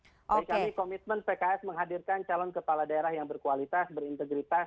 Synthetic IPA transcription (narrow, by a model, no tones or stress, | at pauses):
aikamikomit̪̚mənpekaɛsməŋɦadirkant͡ʃalɔnkəpaladaeɾahjaŋbərkualit̪asbəɾint̪əɡɾit̪as